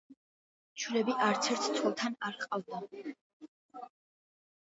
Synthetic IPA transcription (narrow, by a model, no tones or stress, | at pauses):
t͡ʃʰulɛbiʔaɾt̪sʰɛɾt̪ʰt̪sʰwɛlˠt̪ʰanaɾqʼavd̪a